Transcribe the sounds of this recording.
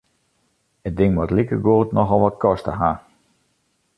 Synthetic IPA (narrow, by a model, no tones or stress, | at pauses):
ət̚dɪŋʋɔtlikəɡoːlˠtnɔxɔlˠʋɔtkʰɔstə̰ɦa